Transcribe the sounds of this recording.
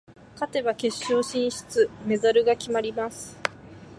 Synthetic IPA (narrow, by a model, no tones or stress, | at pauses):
kat̪e̞βake̞ɕːo̞ːɕĩɰ̃ɕi̥t͡sɨme̞zaɾɯ̟ɡakʲimaɾʲimasɨ̥